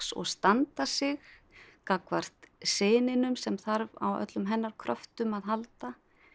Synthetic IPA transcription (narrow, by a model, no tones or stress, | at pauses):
sɔ̰ɣst̪ant̪asɪɣ | kakvar̥t̪seːnɪnʏmsɛmθaɾva̰wœ̰t̪lʏmɦɛnːaɾ̥kʰɾœft̪ʏmaðɦalt̪a